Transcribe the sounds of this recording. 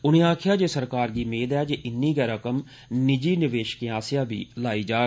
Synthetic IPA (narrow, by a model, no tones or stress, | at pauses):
ʊɽ̃ĩːaːkʰɪjaːd͡ʒeːsəɾkaːɾɡiːmeːd̪ɛːd͡ʒeːʔɪnːĩːɡɛːɾəkəm | nɪd͡ʒiːnɪʋeːʃə̥kẽaːsɪjãːbʱḭːlaːiːd͡ʒaː